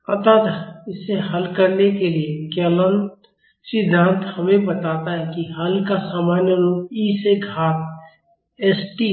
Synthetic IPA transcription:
ɐ̰t̪aːt̪ɪsːeɦɐlkəɾnekeliekələnt̪ | sɪd̪ʱːãːnt̪hɐmẽbət̪aːt̪aɦɛkiɦɐlkasaːmaːnjəɾoːpiːseɡʱaːt̪̚ | eːsʈi

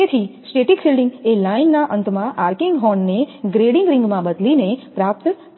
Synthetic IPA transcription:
et̪ʰisʈeʈikfilɖɪŋɡelainːaʔənt̪mãʔaɾkɪŋɡɦɔɳneɡɾeɽɪŋɡɾɪ̃ŋɡmãbəd̪linepɾap̚t̪

